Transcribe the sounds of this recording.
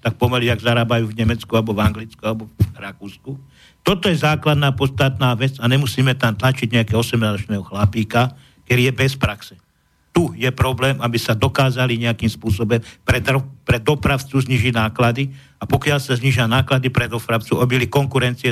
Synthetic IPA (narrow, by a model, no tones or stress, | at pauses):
t̪ak̚pɔmɛliaɡzaɾaːbajuːvɲɛmɛt͡skualɛbɔvaŋɡlit͡skualɛbɔɾakuːsku | t̪ɔt̪ɔjɛzaːklad̪naːpɔt͡st̪at̪naːʋɛt͡saɲɛmusiːmɛt̪amt̪lat͡ʃiɟɲɛakɛɔsɛmnazɔt͡ʃnɛːɦɔxlapiːka | kɛɾijɛbɛspɾaksɛ | t̪ujɛpɾɔblɛːmabisad̪ɔkaːzaliɲɛakiːmspʊɔsɔbɔmpɾɛd̪ɾɔpɾɛd̪ɔpɾaʊt͡suzɲiːʒiɟnaːklad̪i | apɔkɪalsazɲiːʒɪanaːklad̪ipɾɛd̪ɔpɾaʊt͡suʔabilikɔŋkuɾɛnt͡siɛ